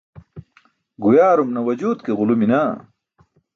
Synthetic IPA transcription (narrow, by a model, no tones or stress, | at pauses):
ɡujaːɾumnɐwɐd͡ʑuːd̪keʁuluminaː